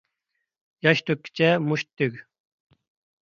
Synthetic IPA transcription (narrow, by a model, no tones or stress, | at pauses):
jɑʃt̪ʰøkʲːɪ̥t͡ʃʰɛmuʃt̪ʰːyɡʲ